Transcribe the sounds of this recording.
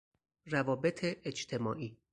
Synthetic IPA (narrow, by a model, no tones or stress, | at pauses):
rævɒːbe̞t̪ʰeʔːd͡ʒt̪ʰe̞mɒ̰ːʔiː